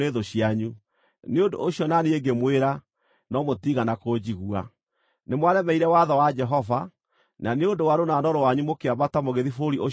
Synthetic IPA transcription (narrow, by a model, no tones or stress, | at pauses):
eðoɕiaɲu | neondoʔoɕjɔnaneeɡemweɾa | nɔmotiɣanakod͡ʑiɣua̰ | nemwaðɛmɛiɾɛwaðɔwad͡ʒɛɦɔva | naneondowaɾonanɔɾɔwaɲumokeabatamoɣeðifoɾiʔo